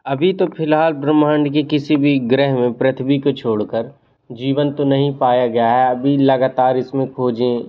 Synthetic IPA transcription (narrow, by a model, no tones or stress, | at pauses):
ɐbʱit̪opʰɪlɦaːlpɾɐmaːɳɖkekɪsibʱiɡɾɛɦmẽpɾɐt̪ʰbikot͡ʃʰoːɽkəɾ | d͡ʒiːʋənt̪onɐɦĩpaːjaɡɐjaɦɛɐbʱilɐɡaːt̪aːɾɪsmẽkʰoːd͡ʒẽː